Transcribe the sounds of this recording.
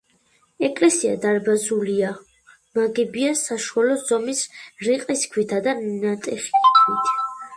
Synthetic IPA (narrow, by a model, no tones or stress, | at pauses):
ɛkʼlɛsia̰d̪aɾbazulia | maɡɛbiasaʃualɔz̥ɔmisɾiqʼiskʰwit̪ʰad̪annat̪ʼɛχi̥kʰkʰwit̪ʰ